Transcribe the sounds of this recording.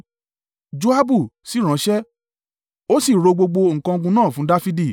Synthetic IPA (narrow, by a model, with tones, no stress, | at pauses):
d͡ʒo˦a˦bu˦˨si˦˨ɾ̃ã˨˦ʃɛ˦ | o˦si˦˨ɾo˧ɡ͡bo˧ɡ͡bo˧ŋ̩˨kã˧o˧ɡũ˧nãː˦˨fũ˨˦da˦fi˦di˦˨